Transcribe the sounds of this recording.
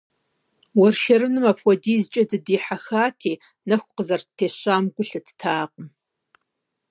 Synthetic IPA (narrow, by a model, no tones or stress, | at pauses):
wɐrʃɐɾɨnɨmɐfwɔdiːzt͡ʃʼɐdɨdiːħaxaːtʰiː | nɐxʷʼqəzɐrtʰeːɕaːmɡʷʊɬɨtʰtʰaːqʼəm